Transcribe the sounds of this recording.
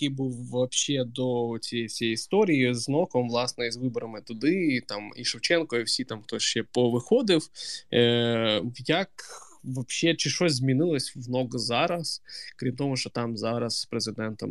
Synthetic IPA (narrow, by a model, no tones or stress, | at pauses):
jkɪbuwʋɐpʃɛd̪ɔsʲijɛjsʲijist̪ɔɾʲijiznɔkɔmʋlˠɑsnɛizʋɪbɔɾɐmɪt̪ʊd̪ɪt̪ɑmḭʃɪwt͡ʃɛnkɔiwsʲit̪ɑmxt̪ɔʃt͡ʃɛpɔʋɪxɔd̪ɪw | jɐk | ʋɐpʃɛt͡ʃɪʃɔzʲzʲmʲinɪlˠɐsʲʋnɔɡzɑɾɐskɾʲimt̪ɔmʊʃt͡ʃɔt̪ɑmzɑɾɐsːpɾezɪd̪ɛnt̪ɔ̰m